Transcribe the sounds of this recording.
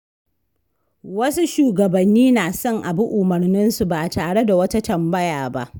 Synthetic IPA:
wɐ˦su˦ʃuː˨ɡɐ˨bɐ˨nːiː˦naː˨sɔ˦ŋʔa˨bʊ˦ʔʊ˨mɐ˨rnɪ˦nsu˨baː˨taː˨ɽe˦da˨wɐ˦ta˦tɐ˨mbɐ˦jaː˨ba̰˦ʔ

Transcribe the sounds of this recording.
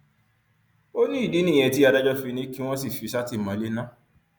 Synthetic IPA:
o˦nĩ˦i˦˨di˨˦nĩ˦˨ɛ̃˧ti˦a˧da˦d͡ʒɔ˦fi˧nĩ˦ki˦w̃ɔ̃˦s̬i˦˨fi˨˧sa˦ti˦˨mã˨˦le˦nã˦˨

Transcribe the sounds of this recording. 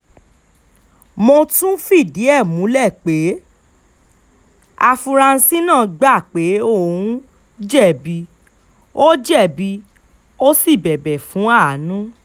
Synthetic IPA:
mɔ̃˧tũ˦fi˦˨di˨˦ɛ˦˨mũ˨˦lɛ˦˨k͡pe˨˦ | a˧fu˧ɾa˧n̩˧si˦nãː˦˨ɡ͡ba˦˨k͡pe˨˦o˦˨ũ˦ | d͡ʒɛ˦˨bi˧ | o˦d͡ʒɛ˦˨bi˧ | o˦si˦˨bɛ˨bɛ˨fũ˨˦a˦˨˦nũ˦

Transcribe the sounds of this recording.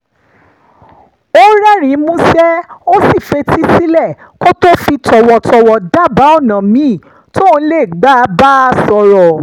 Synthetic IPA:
o˦ɾɛ˦ɾ̃ĩ˨˦mũ˦sɛ˦o˦si˦˨fe˧ti˦si˦lɛ˦˨ | ko˦to˦fi˧tɔ˨wɔ˨tɔ˨wɔ˨da˦˨ba˨˦ɔ˦˨nã˨mĩ˨˦˨ | tʰo˦˧˦le˦˨ɡ͡ba˦˧˦ba˦˧sɔ˧ɾɔ˨

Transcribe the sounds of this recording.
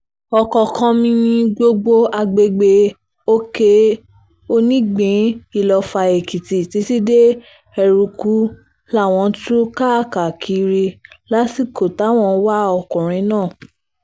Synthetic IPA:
ɔ˧kɔ˧kʰɔ̃˧mĩ˧ĩ˧ɡ͡bo˧ɡ͡bo˧a˧ɡ͡be˧ɡ͡be˧ | o˦ke˧ | o˧nĩ˦ɡ͡bĩ˨˦i˦˨lɔ˧fa˧e˨ki˨ti˨ti˨˧˦ti˦de˦ | ɛ˧ɾu˧ku˨˦ | la˦˨w̃ɔ̃˧tu˦ka˦˨ka˨kʰi˨˧˦ɾi˧la˦si˦˨ko˨ta˨˦w̃ɔ̃˧˦wa˦ɔ˧kũ˨ɾ̃ĩ˨˦nãː˦˨

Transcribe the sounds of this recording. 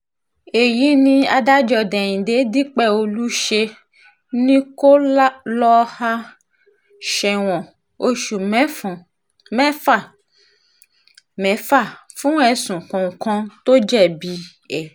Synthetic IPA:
e˨ji˨˦nĩ˧a˧da˦d͡ʒɔ˧dɛ˨j̃ĩ˨de˨˦di˦k͡pɛ˦˨o˧lu˦ʃe˧ | nĩ˦ko˦lɔ˦ha˦ | ʃɛ˧w̃ɔ̃˨ | o˧ʃu˨m˦˨ | mɛ̃˦fa˦˨ | mɛ̃˨˦fa˦˨fũ˦ɛ˧˨sũ˨kɔ̃˨kɔ̃˧to˦d͡ʒɛ˦˨bi˧ | ɛ˨

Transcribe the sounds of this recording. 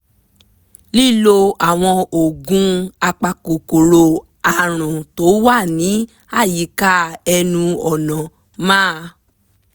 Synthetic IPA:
li˦˨lo˧a˨w̃ɔ̃˧o˨ɡũ˦a˧k͡pa˧ko˨ko˨ɾo˧ | a˨ɾ̃ũ˨to˨˦wa˦˨nĩ˨˦ | a˦˨ji˨˦ka˦ɛ˧nũ˧ɔ˨nɔ̃˨ | mãː˦˧

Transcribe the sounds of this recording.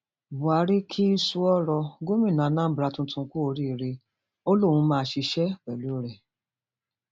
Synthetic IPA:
bu˨a˨˦ɾi˦kʰi˦i˦su˧ɔ˦ɾɔ˧ɡo˦mĩ˦˨nã˨˧nã˦bɾa˨˧tũ˧˦tũ˧ku˦o˧ɾi˦˨ɾe˧ | o˦lo˦˨wũ˧˦mãː˦˧ʃi˧ʃɛ˦wɛ˨lu˨˦ɾɛ˨

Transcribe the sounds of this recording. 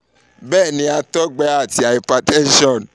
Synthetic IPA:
bɛː˦˨nĩ˨˦a˧tɔ˦ɡ͡bɛ˦a˦˨ti˨a˨ji˨pa˨tɛ˦n̩˦ʃɔ˦˨n

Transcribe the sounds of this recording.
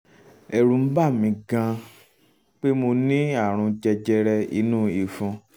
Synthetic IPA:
ɛ˨ɾũ˨m̩˦ba˦˨mĩ˧ɡã˧ | k͡pe˦mo˧nĩ˦a˦˨ɾ̃ũ˧d͡ʒɛ˧d͡ʒɛ˧ɾɛ˧ḭ˨˦nũ˦i˨fũ˧˦

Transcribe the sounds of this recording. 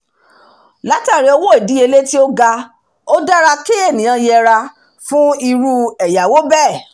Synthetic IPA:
la˨˦ta˦˨ɾe˨˧o˧wo˦e˦˨di˨˦e˧le˦ti˦o˦ɡa˧ | o˦da˦ɾa˧ke˦e˦˨nĩ˨˦ã˧jɛ˧ɾa˧ | fũ˦i˧ɾu˧ɛ˨ja˨wo˦bɛ˦˨

